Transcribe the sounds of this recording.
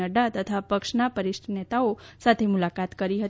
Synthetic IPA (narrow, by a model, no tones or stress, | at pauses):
əɖat̪ət̪ʰapəkʃnapəɾiʃʈʰənet̪aosat̪ʰemulakat̪kəɾiɦət̪